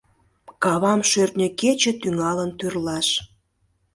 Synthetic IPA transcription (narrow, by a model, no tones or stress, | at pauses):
kɑβɑmʃørt̪nʲəket͡ɕĕt̪yŋɑlənt̪yrlɑʃ